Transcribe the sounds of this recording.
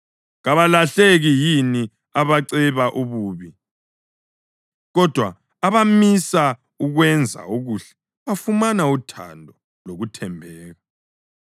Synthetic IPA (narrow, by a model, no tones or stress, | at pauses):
ɣaβalaɬeɣijini | aβaǀɛβaʔuβuːβi | ɣɔd̥ʱwa̰ː | βamisa | uɣwɛnd͡zʱa̰uɣuɬɛ̥ | βafumanautʰa̰ndʱɔ | loɣutʰɛmbʱɛːɣa